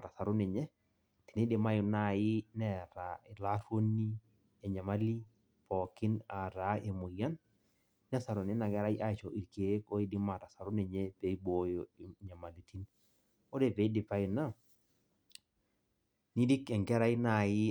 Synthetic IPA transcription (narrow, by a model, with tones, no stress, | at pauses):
ɾa˨sa˨ɾo˦ne˨ɲɛ˦ | ti̥˨ni˦dɪ˨ma˦jʊ˨na˨jɪ˦nɛ˦˨ɾa˨ɛ˨la˦ɾwo˦ni˦ | ɛ˨ɲa˨ma˦li˦ | pɔ˨kɪ˦na˨ɾa˨˦ʔe˨mo˨ja˦nː | ɛ˦sa˨ɾo˨nɪ˦na˨ɡɛ˦ɾa˦jʔa˦˨t͡ʃo˨ʔi˨ɾke˨˦ko˦i˦di˦ma˨ta˨sa˨ɾʊ˦ne˨ɲe˦pe˨˦i˦bo˦jo˨ɲa˨ma˨li˨ti˦n | o˦ɾe˦˨pe˨˦dɪ˨pa˦ɪ˨na˦ | ni˦di˦kɛ˨ŋɡɛ˦ɾa˦i˦na˨jɪ˦